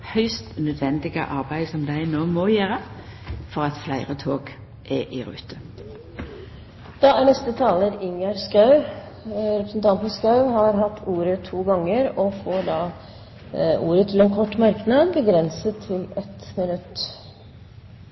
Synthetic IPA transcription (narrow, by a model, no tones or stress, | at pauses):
hœʏst̪nœd̪ʋɛnd̪ɪɡə̰ʔɑʁbæɪsɔmd̪æɪnoːmɔjæːɾəfɔʁɑt̪flæɪʁət̪ʰoːɡ | ʔɛʔɪɾʉ̰ːt̪ʰə | d̪̥ɑæɳɛst̪ət̪ʰɑːləɾɪŋɑɾskɑʉ | ɾɛpɾəsnt̪ʰɑnt̪ɔskɑʉhɑɾɦɑt̪ʰːuːɾət̪ʰuːɡɑŋːəɾɔfoːd̪ɑː | uːɾət̪ʰɪlɛːnkʰɔʈːmɑɾknɑd̪bəɡɾɛnsət̪ʰːɪlɛt̪mɪnʉt̪ː